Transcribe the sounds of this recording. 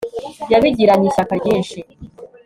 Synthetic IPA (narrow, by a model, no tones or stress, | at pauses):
jaβiɟiɾaɲiʃakaɟiːnʃi